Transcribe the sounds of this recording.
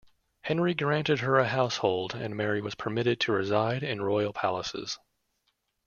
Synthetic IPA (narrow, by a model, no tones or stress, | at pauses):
hɛ̃nɹiɡɹæ̃ntɨd̚ə˞ɨɦaʊshoʊlˠdɨ̰̃nmɛɹiwʌz̥pʰə˞mɪɾɨd̚tʰɨɹɨzaɪɾɪ̃nɹɔɪl̩ˠpʰælˠəsɪ̰z̥